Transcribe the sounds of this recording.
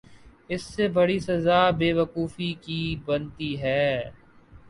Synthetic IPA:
ɪsːebɐɽisɐzaːbeːʋəkuːfikibɐnt̪iɦɛː

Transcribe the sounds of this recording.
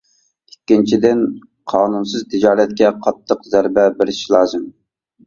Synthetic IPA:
ikʲːint͡ʃʰid̪ɪn | qʰɑːnunsɨzt̪ʰɪd͡ʒɑːɾɛt̪̚kʲɛqʰɑt̪ʰːəqzæɾbɛbɪɾɪʃlˠɑːzɨm

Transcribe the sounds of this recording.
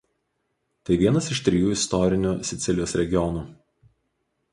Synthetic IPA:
t̪ɐɪʋʲiɛnɐsɪʃt̪ʲɾʲɪjuːɪst̪ɔɾʲɪnʲuːsʲɪt̪sʲɪlʲɪjoːsɾʲɛɡʲɪjɔnuː

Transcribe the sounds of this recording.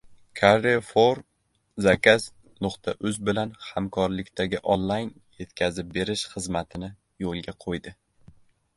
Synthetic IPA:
kʰaɾefoɾ | zakʲas | nʊqt̪ʰaʔʊzbɪlanhamkʰɒɾlɪkʲt̪ʰaɡʲɪʔonlˠajn | je̞t̪kʲʰazɪp̚be̞ɾɪʃχɨzmat̪ʰɪnɪ | jolˠɡʲaqʰojd̪ɪ

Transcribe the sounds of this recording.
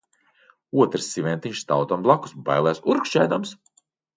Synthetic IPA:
uɔt̪ɾɨsʲːivʲɛnt̪ʲiɲʃst̪awt̪amblˠaku̥sba̰jlˠɛːsuɾkʃt͡ʃɛjd̪ams

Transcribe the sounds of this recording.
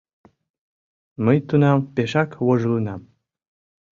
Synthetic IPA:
məjt̪unɑmpeʃɑkwoʒlinɑm

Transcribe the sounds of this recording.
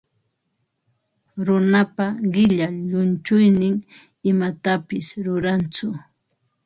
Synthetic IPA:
ɾʊnapaɢɪʎaʎʊnt͡ʃʊjnɪŋ | ɪmat̪apɪsɾʊɾant͡sʊ

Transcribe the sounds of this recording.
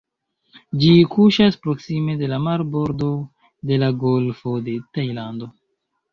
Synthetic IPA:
d͡ʒikuʃaspɾo̞ksime̞de̞lamaɾbo̞ɾd̪o̞ | de̞laɡolfode̞tajland̪o̞

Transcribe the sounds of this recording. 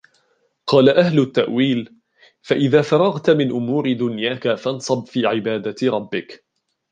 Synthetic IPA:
qɑːlaʔaɦlʊt̪ːaʔwiːl | faʔɪðaːfɑɾˤɑɣt̪mɪnʔʊmuːɾɪd̪ʊnjaːkafɑnsˤɑbfiːʕɪbaːd̪aɾˤɑbːɪk

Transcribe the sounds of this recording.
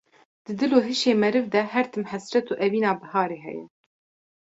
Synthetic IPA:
d̪̥ɨd̪ɨloːɦɨʃeːmɛɾɨvd̪ɛhɛɾt̪ʰɨmhæsɾɛt̪uːʔɛviːnaːbɨhɑːɾeːɦɛ̰jɛ̰

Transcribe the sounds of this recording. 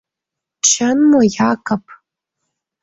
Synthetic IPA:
t͡ʃʰanmajakʰʼapʰʼ

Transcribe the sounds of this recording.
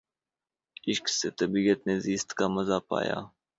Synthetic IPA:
ɪʃkseːt̪ɐbiːət̪neziːst̪kaːmɐzaːpa̰ːja̰ː

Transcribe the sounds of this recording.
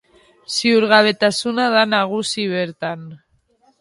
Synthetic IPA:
siuɾɣaβ̞e̞t̪asunaðanaɣusiβeɾt̪an

